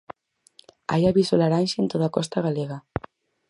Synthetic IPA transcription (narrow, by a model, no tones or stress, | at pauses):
a̰jaβisolaɾanʲʃeːnt̪oðakɔst̪aɣaleɣa